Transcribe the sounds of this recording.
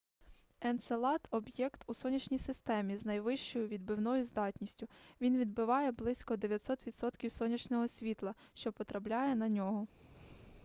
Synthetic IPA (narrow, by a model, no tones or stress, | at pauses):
ɛnt̪selˠɑt̪ɔbjɛkt̪usɔnʲɐt͡ʃnʲijsɪst̪ɛmʲiznɐjʋɪʃt͡ʃɔjʊʋʲid̪̚bɪwnɔjʊzd̪ɑtʲnʲisʲtʲʊʋʲinʋʲid̪̚bɪʋɑjɛblˠɪsʲkɔd̪eʋʲjɐt̪ʲsɔt̪ʋʲid̪sɔt̪kʲiwsɔnʲɐt͡ʃnɔɦɔsʲʋʲit̪lˠɐʃt͡ʃɔpɔt̪ɾɐplʲajɛnɐnʲɔɦɔ